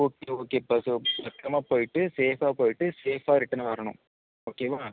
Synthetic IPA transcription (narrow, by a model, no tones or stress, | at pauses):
oːkeːoːkeːpɐsɯlɐkːɾɐmaːpoːjɪʈːɯseːfaːpoːjɪʈːɯseːfaːɾɪʈːɐnɐʋɐɾɐɳʊ̰̃m | oːkeːʋaː